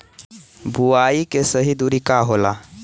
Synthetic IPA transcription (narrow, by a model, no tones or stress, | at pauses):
buaikesəɦid̪uɾikaɦola